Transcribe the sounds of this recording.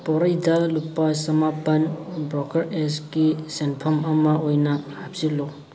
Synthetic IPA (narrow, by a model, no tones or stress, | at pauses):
pɔɾɐjdɐlupːɐsɐmapɐnbɾɔkɐɾeskisenpʰɐmɐmɐojnɐhap̚silo